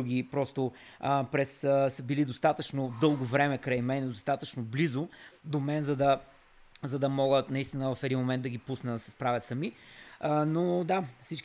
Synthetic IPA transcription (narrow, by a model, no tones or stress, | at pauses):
uɡipɾɔst̪o | pɾɛssəbilid̪ost̪at̪ət͡ʃnod̪ɤlˠɡovɾɛmɛkɾajmɛnɛd̪ost̪at̪ət͡ʃnoblizod̪omɛnzɐd̪ɐ | zɐd̪ɐmɔɡət̪nɐist̪inəvɐfɛd̪inmomɛnt̪d̪ɐɡʲipusnəsɐ̥spɾavɛt̪səmi | nod̪afsit͡ʃk